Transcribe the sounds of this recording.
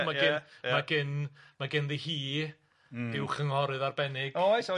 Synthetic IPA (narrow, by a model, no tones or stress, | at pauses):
maɡɪnmaɡɪnmaɡɪnðihiː | d̥ɪwχəŋhɔɾɨðarbɛnɪɡɔsɔ